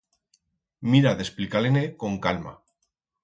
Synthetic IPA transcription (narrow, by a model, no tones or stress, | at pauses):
miɾaðe̞splikaleneko̞ŋkalma̰